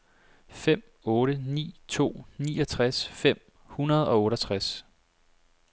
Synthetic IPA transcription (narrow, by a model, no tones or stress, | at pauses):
fem̰ | ɔːɾənḭːt͡sʰo̝̰ːnḭːɒ̽t͡sʰʁasfem̰ | hunɐð̞ˠɒ̽ɔ̽ːɾɐt͡sʰʁas